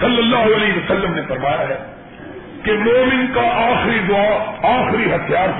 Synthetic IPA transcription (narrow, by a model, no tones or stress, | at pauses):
səlːəlːaːɦʊəleːɦʋəsəlːəmneːpəɾmaːjaːɦɛː | kemoːmɪnkaːʔaːxɪɾiːd̪ʊaːaːxɾiːɦət̪ʰɪjaːɾ